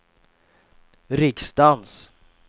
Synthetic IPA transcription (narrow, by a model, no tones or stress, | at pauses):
ɾɪkst̪ans